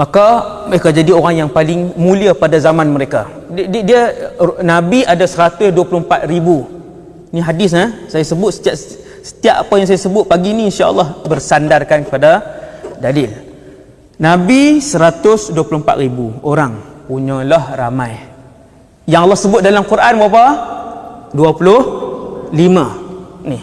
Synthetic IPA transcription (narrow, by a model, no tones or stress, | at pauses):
makaməɾekad͡ʒadioɾaŋjaŋpalɪŋmũliapadazamãnməɾeka | ddiənãbiadasəɾat̪ʊsduwəpulʊhəmpat̪̚ribu | niɦadɪs̬nasajasəbʊt̪̚sə̥t̪iaʔ | sə̥t̪iaʔapajaŋs̬ajasəbʊt̪̚paɡiniːnʃaʔɑ̰lːɔhbərsandarkankə̥padadalɪl | nãbisəɾat̪ʊsduapulʊhəmpa̰ʔ̪̚ribuoɾaŋpuɲɔ̃lahramãj | jaŋalːɑhsəbʊt̪̚dalamkuɾʔanbapa | duapulʊhlimãnɪh